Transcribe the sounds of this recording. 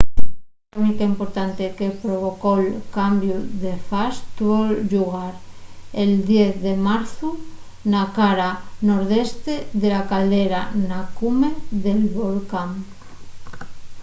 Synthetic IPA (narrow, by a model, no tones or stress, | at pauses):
unikaimpoɾt̪ant̪ekepɾoβ̞okolkambjuðefast̪uβoʒuɣ̞aɾeld̪jeθðemaɾθu | nakaɾanoɾð̞est̪eðelakald̪eɾanakumeðelβolkaŋ